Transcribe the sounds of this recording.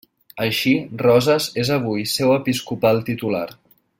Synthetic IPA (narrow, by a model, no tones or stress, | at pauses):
əʃirɔzəzezəβ̞ujsɛwəpiskupalˠt̪it̪ula̰ɾ